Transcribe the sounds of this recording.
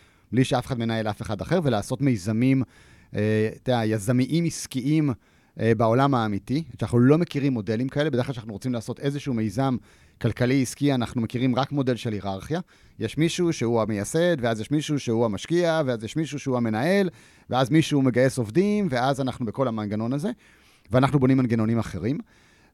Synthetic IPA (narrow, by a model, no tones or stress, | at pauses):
bliʃeafeχad̪me̞nae̞lafeχad̪aχe̞ʁvelaːso̞tme̞jzamim | et̪ajazamiʔimiskiʔim | bao̞lamaːmitiʃanaχnulo̞me̞kiʁimːo̞de̞limkae̞lebedeklaʃanaχnuʁot͡simlaːso̞t̪e̞zeʃuume̞jzam | kalkaliiskianaχnumekiʁimʁakmo̞de̞lʃe̞liʁaʁχja | jeʃmiʃuʃe̞huamejase̞d̪veazjeʃmiʃuʃeuamaʃkiaveazjeʃmiʃuʃeuame̞nae̞l | veazmiʃuːme̞ɡaje̞so̞vdimveazanaχnubeko̞lhamanɡano̞naze̞ | veanaχnubo̞nimanɡeno̞nimaχe̞ʁim